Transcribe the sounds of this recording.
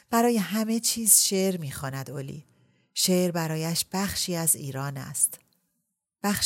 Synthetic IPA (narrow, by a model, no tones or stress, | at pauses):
b̥æɾɒːje̞ɦæme̞t͡ʃʰiːzʃeʔɾmiːxɒːnæd̪olḭː | ʃeːʔɾbæɾɒːjæʃb̥æxʃiːæzḭːɾɒːnæ̰st̪ | b̥æxʃ